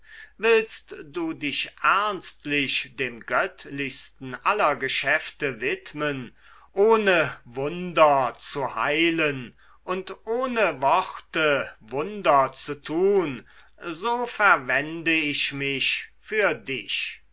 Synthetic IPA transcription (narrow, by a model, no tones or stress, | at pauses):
vɪlstd̥uːdɪʃʔɛɐnstlɪʃd̥eːmɡœtlɪçstn̩ʔalɐɡəʃɛftəvɪtmən | ʔoːnəvʊndɐt͡suha̰ɪlən | ʔʊntʔoːnəvɔʁtəvʊndɐt͡sutʰuːn | zoːfɛɐvɛndəɪʃmɪçfyːɐdɪç